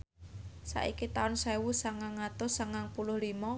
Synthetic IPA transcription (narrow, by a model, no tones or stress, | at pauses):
sa̰ʔikit̪aʊnsewusaŋaŋːat̪ʊsaŋaŋpulʊhlimɔ